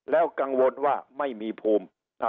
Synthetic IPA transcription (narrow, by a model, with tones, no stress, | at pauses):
lɛː˦˥wka˧ŋwo˧nwaː˥˩ma˥˩jmiː˧pʰuː˧m | a˧